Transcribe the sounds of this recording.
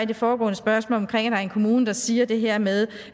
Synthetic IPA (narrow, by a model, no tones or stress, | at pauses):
id̥e̝fɒːɡ̥ɔ̰ːnəsb̥ɶɐsmɔ̰lɒmkʰʁeŋ̰æd̥ɑ̈æɐenkʰo̝muːnəd̥ɑ̈siːɐd̥e̝ɦeɐ̰meðˠ